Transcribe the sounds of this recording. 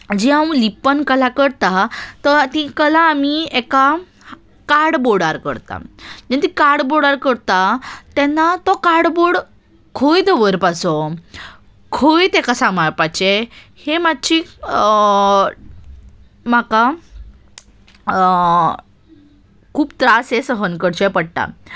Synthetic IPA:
d͡ʑiawlipːənkəlakəɾt̪at̪ɔt̪ikəlãːmiɛka | kaɽboɽaɾkə̰ɾt̪a̰d͡ʑɛt̪ikaɽboɽaɾkəɾt̪at̪ɛnːat̪ɔkaɽboɽ | kʰojd̪əʋəɾpasɔ | kʰojt̪ekasamaɾpat͡ɕe | hemad̪̚ɕi | maka | kʰuːbt̪ɾasesəɦənkəɽt͡ɕepəɽʈ̪a̰

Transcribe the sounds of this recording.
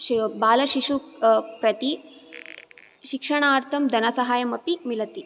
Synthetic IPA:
baːlɐʃiʂupɾɐt̪i | ʃikʂɐɳ̃aːɾt̪ʰɐmd̪ʱɐnɐsɐɦaːjɐmɐpimilɐt̪i

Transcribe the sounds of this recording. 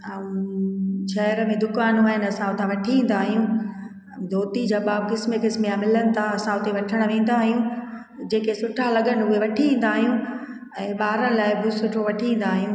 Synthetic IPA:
aːũ | ʃɐɾəmẽd̪ʊkaːnuaːɦɪnɐsãʊt̪ʰãʋɐʈʰiẽːn̆d̪aːɦijũ | d̪ʱoːt̪id͡ʑaːbaːb̚kɪsmekɪsmjãmɪlənɪ̆t̪ʰaɐsãʊt̪eʋɐʈʰəɽ̃ʋẽːn̆d̪aːɦijũ | d͡ʑeːkesʊʈʰalɐɠəɽɪʊɦeʋɐʈʰiẽːn̆d̪aːɦijũ | ɛ̃ːɓaːɾəñɪlaːɪbɪsʊʈʰoʋɐʈʰiĩːn̆d̪aːɦijũː

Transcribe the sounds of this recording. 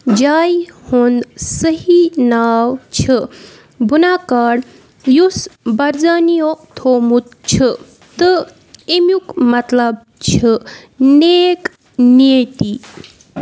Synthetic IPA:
d͡ʑaːjhond̪səɦinaːwt͡ɕʰə | bʱunakaːɽ | jusbɐɾd͡zanijot̪ʰoːmut̪̚t͡ɕʰə | t̪ə | emjukmɐt̪lɐb | t͡ɕʰənek | nit̪i

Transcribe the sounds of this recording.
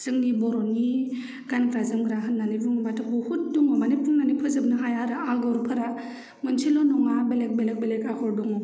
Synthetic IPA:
z̥ɯŋnibɔɾɔni | ɡ̥ankɾazɯmɡɾaɦɯnːanibuŋbatʰɯbuhut̚duŋɔbanipʰɯŋnanipʰɯzɯb̚nɯɦajaɾɯaɡɔɾpʰɯɾa | mɯnsʰilɔnɔŋabelek̚belek̚belekahɔɾdɔŋɔ

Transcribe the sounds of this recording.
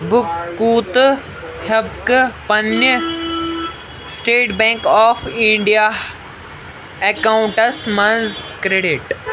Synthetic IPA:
bʊkːuːt̪ | hɐbkpɐnə | sʈeːʈbẽŋkɔːpʰĩɳɖija | ekaːũɳʈɐsmɐnzkɾeɖiʈ

